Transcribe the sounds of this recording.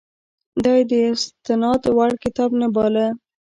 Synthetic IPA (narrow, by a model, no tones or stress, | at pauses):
d̪ɑjd̪əɪst̪ɪnɑt̪waɽkɪt̪ɑbnabɑlə